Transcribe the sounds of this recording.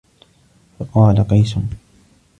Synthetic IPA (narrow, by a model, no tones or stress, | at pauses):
fɑqɑːlaqɑjsʊn